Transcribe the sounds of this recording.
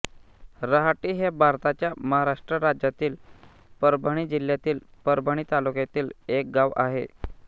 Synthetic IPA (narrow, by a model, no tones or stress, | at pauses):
ɾəɦaʈiːɦebʱaɾt̪at͡ɕjaməɦaɾaʂʈɾəɾad͡ʑjat̪iːl | pəɾbʱəɽ̃iːd͡ʑil̤jat̪iːlpəɾbʱəɽ̃iːt̪alukjat̪iːlek̚ɡaʋa̰ɦḛ